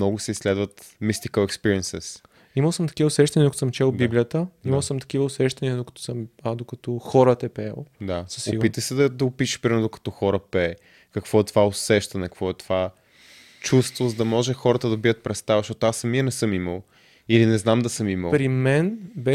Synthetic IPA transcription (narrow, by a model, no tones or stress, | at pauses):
nɔɡʊsɛisːlɛd̪vət̪ | mist̪ikəlɛkspiɾiɛnsɛs | iməlˠsəmt̪ɐ̥k̟ivəʊsɛʃt̪ɐnidəkɐt̪osəmt͡ʃɛlˠdbiblijət̪əimɐlˠsəmt̪ɐ̥k̟ivəʊsɛʃt̪ɐniəd̪okɐ̥t̪ɔ̥səmad̪okɐt̪ɔxɔɾət̪ɛpɛ̰lˠd̪asəsoiɡpit̪əsɛd̪ɐd̪ɐʊpiʃə̥ʃpɾimɾd̪okɐ̥t̪ɔxɔɾəpɛ | kɐkv̥ɔɛt̪vaosɛʃt̪ɐnɛkɐkvɔɛt̪ova | t͡ʃust̪vozɐd̪ɐmɔʒɛxɔɾət̪əd̪ɐbiət̪̚pɾɛt̪st̪avɐʃɔt̪oasːɐmiənɛsɤmiməlˠ | ilinɛznamd̪ɐsɤmiməlˠpɾimɛnbɛ